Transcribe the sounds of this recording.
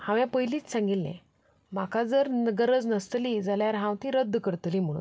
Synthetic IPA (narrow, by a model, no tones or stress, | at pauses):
hãʋjãpəjliːt͡ssãŋɡilːɛ̰̃ | makʰad͡zəɾnəɡəɾəd͡znəst̪lid͡zaljaɾɦãwt̪ĩɾəd̪ːkəɾt̪liːm̤əɽ̃ṵːn